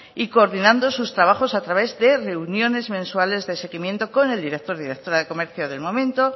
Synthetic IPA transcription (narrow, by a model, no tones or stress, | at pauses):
iko̞ːɾðinãnd̪o̞sust̪ɾaβaxo̞sat̪ɾaβe̞zðe̞re̞unjo̞ne̞zmẽ̞nswale̞zðe̞se̞ɣimje̞nt̪o̞ko̞ne̞ld̪iɾek̚t̪o̞ɾðiɾek̚t̪oɾaðe̞ko̞me̞ɾθjoðe̞lmõ̞mẽnt̪o̞